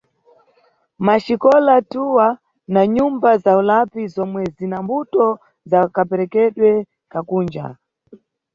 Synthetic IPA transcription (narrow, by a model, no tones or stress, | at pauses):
maʃikɔlatuwa | naɲumbazaulapizɔmwɛzinambutɔ | zakapɛɾɛkɛɗwɛ | kakuːnd͡ʒa̰